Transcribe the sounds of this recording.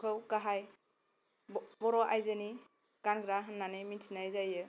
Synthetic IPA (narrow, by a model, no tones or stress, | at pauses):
kʰɯwkaɦaj | bɔɾɔʔajzɯni | kanɡɾaɦɯnːanɯjminsʰinajzajɯ